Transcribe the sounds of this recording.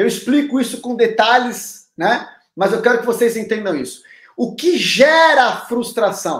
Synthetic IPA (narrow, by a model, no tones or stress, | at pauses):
ewisplikʊisʊkõd̪et̪alɪsnɛ | mɐzewkɛɾʊkɪvosejzẽnt̪ẽnd̪ɐ̃w̃isʊ̥ | ʊkɪʒɛɾɐːfɾust̪ɾasɐ̃w̃